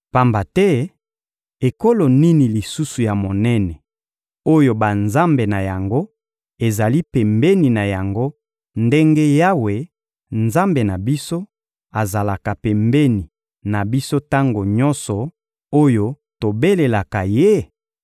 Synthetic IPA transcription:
pa˨mba˨tɛ˦ | e˨ko˦lo˨ni˦ni˨li˨su˦su˨ja˨mo˨nɛ˦nɛ˨ | o˦jo˨ba˨nza˦mbe˨na˨ja˨ŋɡo˦ | e˨za˨li˦pɛ˨mbe˦ni˨na˨ja˨ŋɡo˦ | nde˦ŋɡe˦ja˦we˨ | nza˦mbe˨na˨bi˦so˦ | a˨za˨la˨ka˨pɛ˨mbe˦ni˨ | na˨bi˦so˦ta˦ŋɡo˨ɲɔ˦nsɔ˨ | o˦jo˦ | to˨be˦le˨la˨ka˨je˦

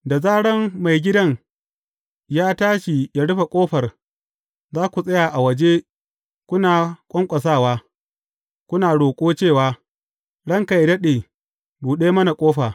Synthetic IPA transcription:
da˨zaː˦ɽɐ˦mːa˨jɡʲɪ˦dɐ˦ŋ | jaː˦taː˦ʃi˨ja˦ɽʊ˦ɸa˨kʷʼoː˦ɸɐ˨r | zaː˦kʷu˨sʼɐ˦jaː˨ʔa˨wɐ˨d͡ʒe˦ | kʷʊ˦naː˨kʷʼɔ˦ŋkʷʼɐ˨s̬aː˦˨waː˦ | kʷʊ˦naː˨ɽoː˨kʷʼoː˦t͡ʃeː˦˨waː˨˦ | ɽɐ˦ŋka˨jdɐ˦ɗeː˨ | buː˨ɗeː˦mɐ˦na˨kʷʼoː˦ɸaː˨

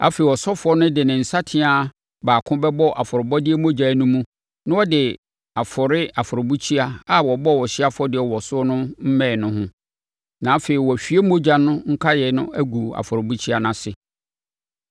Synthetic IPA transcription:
a̰˦fe˨i˨wɔ˨sɔ˦fʊ˨˦ɔ˦nʊ̃˦dɪ˨nɪ̃˨n̩˨sa˦tʰɪ̃˨a˨ | baː˨kʰʊ̃˦bɛ˦bɔ˦ʔa˨fʊ˨ɾɪ˨bɔ˦dɪ˦e˦mo˦d͡ʑa˨˦nʊ̃˦mũ˦ | nʊ̃˦wɔ˦dɪ˨ | a˨fʊ˨ɾɪ˦a˨fʊ˨ɾɪ˨bu˦t͡ɕʰi˦a˦a˦˨wɔ˨bɔ˦wɔ˨ɕɪ˦a˦fʊ˦ɔ˦dɪ˨ɛ˨wɔ˨sʊ˦nʊ̃˦m̩˦mɛ̃˦˨nʊ̃˦hʊ̃˦ | nã˨˦fe˨i˨wɔ˨æ˨fᶣi˨˦e˦mo˦d͡ʑa˨nʊ̃˦ŋ̩˦kʰa˦jɛ˨nʊ̰̃˦æ˦ɡu˨a̰˨fʊ˨ɾɪ˨bu˦t͡ɕʰi˦a˨nã˨sɪ˨

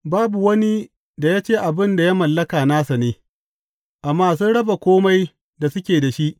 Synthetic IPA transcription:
baː˦bu˨wɐ˦ni˦ | da˨jaː˦t͡ʃeː˦ʔa˨bɪ˦nda˨ja˦mɐ˨lːɐ˦kaː˨naː˦sa˨neː˦ | ʔa˨mːaː˦s̬uː˦ɽɐ˦ba˨kʷoː˦ma˦j | da˨sʊ˦kʲeː˨da˨ʃi˦ʔ

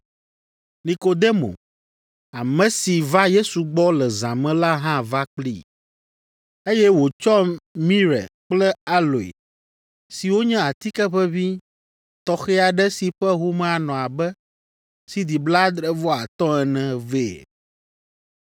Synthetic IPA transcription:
nĩ˨ko˨d̪e˦mo̰˨ | a˨mɛ̃˨si˨va˦je˦su˨ɡ͡bɔ˦lɛ˨zã˨mɛ̃˦la˦ɦã˦va˦k͡plḭ˦˨ | e˦jɛ˦wo˨t͡ʃɔ˦mĩ˦ɾɛ̰˨k͡plɛ˦a˦lo˨ḛ˨ | si˨wo˦ɲɛ̃˦a˨t̪i˦kɛ˦ɸɛ˦vi˦ | t̪ɔ˦xɛ˦a˨ɖɛ˦si˨ɸɛ˦ɦu˦mɛ̃˦a˨nɔ̃˨a˨bɛ˦ | si˨d̪i˨bla˦d̪ɾɛ˨vɔ˦a˨t̪ɔ̃˦ɛ˨nɛ̃˨ve˦˨

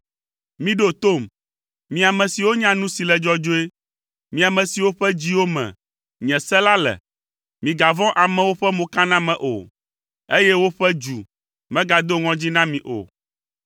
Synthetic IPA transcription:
mĩ˦ɖo˦t̪o˦˨m | mĩ˨a˨mɛ̃˨si˨wo˦ɲã˦nũ˦si˨lɛ˨d͡ʒɔ˦d͡ʒo˦e˦ | mĩ˨a˨mɛ̃˨si˨wo˦ɸɛ˦d͡ʑi˦wo˦mɛ̰̃˨ | ɲɛ̃˨sɛ˦la˦lɛ̰˨ | mĩ˨ɡa˨vɔ̃˦ʔa˨mɛ̃˨wo˦ɸɛ˦mõ˨ka˦nã˦mɛ̃˨ʔo̰˨ | e˦jɛ˦wo˦ɸɛ˦d͡ʒu˨ | mɛ̃˦ɡa˨d̪o˦ŋɔ̃˦d͡ʑi˦nã˦mĩ˨ʔo̰˨

